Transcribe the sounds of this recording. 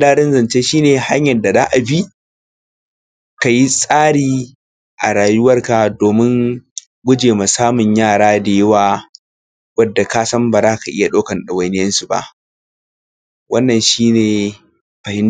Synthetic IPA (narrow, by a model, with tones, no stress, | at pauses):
daː˦ɽɪ˦nzɐ˨nt͡ʃeː˦ʃiː˦neː˨ha˦ɲjɐ˨da˨za̰ː˦ʔa˨bi˦ | ka˨ji˦sʼaː˦ɽiː˨ | ʔa̰˨ɽaː˨jʊ˦wɐ˦rka˨doː˨mɪ˦ŋ | ɡʷʊ˦d͡ʒeː˨ma˨saː˦mʊ˨ɲjaː˦˨ɽaː˦da˨jɪ˦waː˦ | wɐ˦dːa˨ka˦sɐ˦mbaː˨zaː˦ka˨ʔɪ˦ja˨ɗoː˦kɐ˨nɗɐ˨wɐ˨jnɪ˦jɐ˦nsu˨ba̰˦˨ʔ | wɐ˦nːɐ˨nʃiː˦neː˨ | ɸɐ˨hɪ˦n